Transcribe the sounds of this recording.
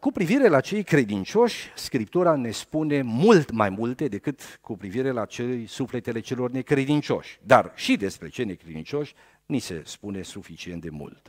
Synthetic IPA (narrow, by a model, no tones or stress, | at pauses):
kupɾiviɾe̞lat͡ʃe̞jkɾe̞d̪int͡ʃo̞ʃʲskɾip̚t̪uɾane̞spune̞mult̪majmult̪e̞d̪e̞kɨt̪kupɾiviɾe̞lat͡ʃejsufle̞t̪e̞le̞t͡ʃe̞lo̞rne̞kɾe̞d̪int͡ʃo̞̰ʃʲd̪a̰rʃid̪e̞spɾe̞̰t͡ʃene̞kɾe̞d̪ḭnt͡ʃo̞ʃʲ | nise̞̰spune̞sufit͡ʃie̞nt̪̚d̪emṵlt̪